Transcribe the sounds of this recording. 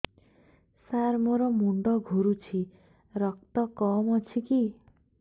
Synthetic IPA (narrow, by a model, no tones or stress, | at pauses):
saɾmoɾɔmuɳɖɔɡʱuɾut͡ʃʰi | ɾɔk̚t̪ɔkɔmɔt͡ʃʰiki